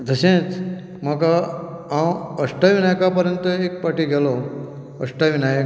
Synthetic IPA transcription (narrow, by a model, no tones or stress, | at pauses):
d̪ʱəɕẽt͡s | maka | ãwəʂʈaʋinajkapəɾjənt̪əek̚paʈiɡʱɛlɔ | ə̰ʂʈaʋinaj